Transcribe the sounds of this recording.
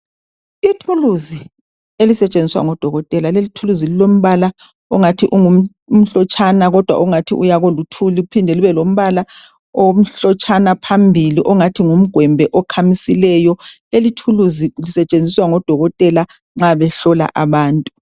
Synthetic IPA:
itʰuluzi | elisɛt͡ʃʼend͡zʱiswa̰ŋɔd̥ʱɔɣɔtʼɛlalelitʰuluzililom̩βala | ɔŋatʰiʔuŋum̩ | m̩ɬɔt͡ʃʼʰanaɣɔd̥ʱwa̰ʔuŋatʰḭʔujaɣɔlutʰuliupʰindʱɛliβɛlom̩βala | om̩ɬɔt͡ʃʼanapʰambʱiliʔɔŋatʰiŋum̩ɡ̥ʱwɛmbʱɛʔɔkʰamisilɛjɔlelitʰuluzilisɛt͡ʃʼend͡zʱiswaŋɔd̥ʱɔɣɔtʼɛla | ŋ͡ǁaβɛɬɔla̰ʔaβaːntʼu̥

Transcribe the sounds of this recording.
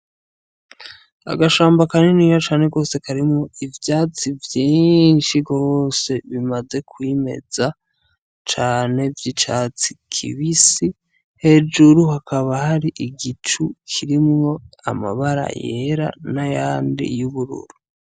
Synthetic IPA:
a̰ɡaʃaːmbakaniniːjot͡ʃaːne̞ɡo̞ːse̞kaɾimŋo̞ivjaːt͡sivjiːnʃiɡo̞ːse̞βimaze̞kwime̞̰za | t͡ʃaːne̞vjit͡ʃaːt͡sikʰḭβisi | he̞d͡ʒuɾuhakʰaβahaɾiʔiɡit͡ʃukʰiɾimŋo̞a̰ma̰βaɾa̰jḛɾa̰najaːndḭjuβuɾṵɾu

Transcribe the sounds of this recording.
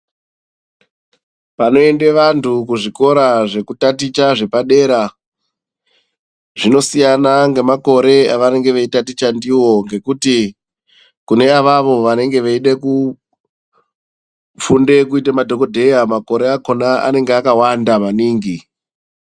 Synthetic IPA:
pano̞e̞ndeʋantʰukuʐiko̞ɾaʐe̞kutatit͡ʃaʐe̞paɗe̞ːɾa | ʐino̞sijanaŋɡe̞mako̞ɾe̞aʋane̞ŋɡe̞ʋeitatit͡ʃandiwo̞ŋɡe̞kuti | kune̞aʋaʋo̞ʋane̞ŋɡe̞ʋeiɗeku | funde̞kuitamadʱo̞ko̞dʱe̞jamako̞ɾe̞ako̞naʔa̰ne̞ŋɡeakawandamaniːŋɡi

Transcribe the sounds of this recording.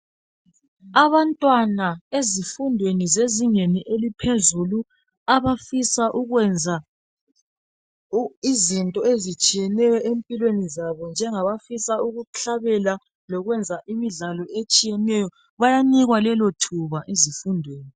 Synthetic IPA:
aβantʼwanaezifundʱwenizeziŋeniʔelipʰezulu | aβafisaʔuɣwɛnd͡zʱa | izintʼɔezit͡ʃʼijɛnɛjɔʔempʼilwenizaβɔnd͡ʒʱɛŋaβafisauɣuɬʰaβɛla | lɔɣwɛnd͡zʱaʔimiɮalɔet͡ʃʼijɛnɛjɔ | βajaniɣwalɛlotʰuβaʔezifundʱweːni

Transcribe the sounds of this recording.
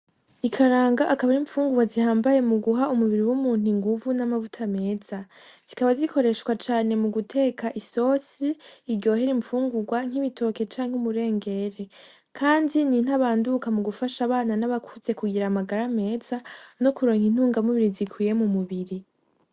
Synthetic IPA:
ikʰaɾaːŋɡaʔakaβaɾiɱfuːŋɡuɡwazihaːmbaje̞muɡuɦaumuβiɾiwumuːn̥iŋɡuvunamavutʰame̞ːz̥az̥ikaβazikʰo̞ɾe̞ʃkwat͡ʃaːne̞muɡutʰe̞ːkaʔiso̞ːsiːɾɟo̞ːɦeɾiɱfuːŋɡuɡwaŋ̥iβitʰo̞ke̞t͡ʃaːŋhumuɾe̞ːŋɡe̞ɾe̞ | kʰaːndinin̥haβaːndukamuɡufaʃaβaːnanaβakʰuze̞kuɡiɾamaɡaɾame̞ːzano̞kuɾo̞ːŋin̥huːŋɡamuβiɾizikʰwiːje̞mumuβiɾi

